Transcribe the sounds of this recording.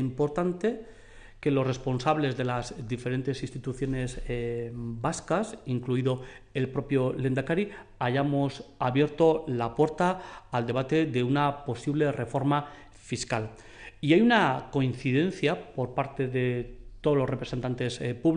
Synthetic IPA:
impo̞ɾt̪ant̪e̞ | ke̞lo̞sre̞spo̞nsaβle̞zðe̞lazd̪ife̞ɾe̞nt̪e̞sinst̪it̪uθjo̞ne̞z | baskasiŋkluiðo̞e̞lpɾo̞pjole̞nd̪akaɾiaʝamo̞saβje̞ɾt̪o̞lapwe̞ɾt̪aːld̪e̞β̞at̪e̞ðe̞unapo̞siβle̞re̞fo̞ɾma | fiskal | iajunako̞in̟θiðe̞n̟θjapo̞ɾpaɾt̪e̞ðe̞t̪oðolo̞sre̞pɾese̞nt̪ant̪e̞spuβ

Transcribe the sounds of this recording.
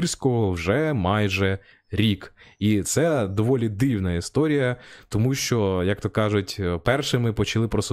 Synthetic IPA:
rsʲkɔɦɔwʒɛmɑjʒɛ | ɾʲikit̪sɛd̪ɔʋɔlʲid̪ɪwnɐist̪ɔɾʲijɐt̪ɔmuʃt͡ʃɔjɐk̚t̪ɔkɑʒʊtʲpɛrʃɪmɪpɔt͡ʃɐlˠɪpɾɔsʊ

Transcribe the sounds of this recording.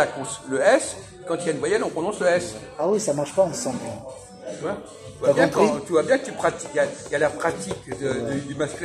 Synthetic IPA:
akɔ̃sləɛs | kɑ̃t̪yjainvwajɛnɔ̃pχɔnɔ̃sləɛs | awisamaʁʃpaɑ̃sɑ̃bl | t̪yvwa | yvaabjɛ̃tkt̪yvwabjɛ̃kət̪ypχat̪ikjajalapχat̪ikd̪əd̪əd̪ymaskl

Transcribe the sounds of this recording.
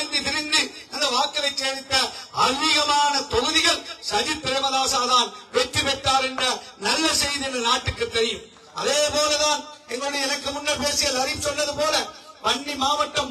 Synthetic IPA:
nd̪it̪ɪɾɪnd̪ɯɐnd̪ɐʋaːkːɐlɐɪt͡ʃːeːðɪt̪ːɐɐlːɪɣɐmaːnɐt̪ɔɣɯðɪɣɐɭsɐɾipːɪɾɐɪmɐðaːsaːðaːnʋɛʈːiʋɛʈ̪ːaːɾɛndrɐnɐlːɐsɛjðiɛndrɐnaːʈːɯkːɯt̪ːɛɾɪjɯm | ɐ̰ðeːpoːlɛðaːnɛŋɡɐɭɯɽɐjɐɛnɐkːɯmʊnːɐpeːsɪjɐlɐɾɪʋsɔlːɐðɯpoːlɐʋɐɳɖimaːʋɐʈːɐm

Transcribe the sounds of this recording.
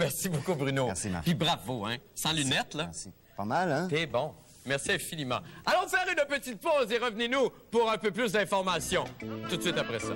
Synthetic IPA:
mɛʁsibokubʁynopibʁavoɛ̃sɑ̃lynɛt̪la | pamal̃t̪ɛbɔ̃ | mɛʁsiɛ̃finimɑ̰̃alɔ̃d̪əfɛʁynpət̪it̪̚pozeʁəvninu | puʁɛ̃pøplys̬d̪ɛ̃fɔʁmasjɔ̃t̪ut̪sɥit̪apʁɛsa̰

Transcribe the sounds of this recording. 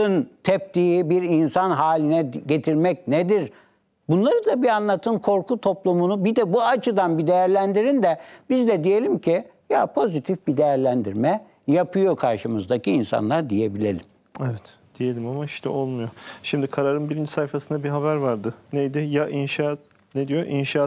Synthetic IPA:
ɯnt̪ʰɛp̚t̪ijibiɾinsanɦaːlʲinɛɟe̞t̪ʰiɾmɛc̚ned̪iɾ | bunlˠaɾɯd̪abianlˠat̪ʰɯnkʰo̞ɾkʰut̪ʰo̞plˠumunubid̪ɛbuat͡ʃʰɯd̪anbid̪e̞jæɾlʲænd̪iɾind̪ɛbizd̪ɛd̪ije̞lʲimcʰi | japʰo̞zit̪ʰifbid̪e̞jæɾlʲænd̪iɾmɛ | japʰɯjo̞kʰaɾʃɯmɯzd̪acʰiːnsa̰nlˠaɾd̪ije̞bilʲḛlʲim | evɛt̪ | d̪̥ije̞lʲimamaiʃt̪ʰɛ̰ʔo̞lˠmujoʃimd̪ikʰaɾaɾɯnbiɾind͡ʒisajfasɯnd̪abiɦaβæɾvaɾd̪ɯnejd̪ɪjaʔinʃat̪ | ned̪ijo̞ʔinʃaː

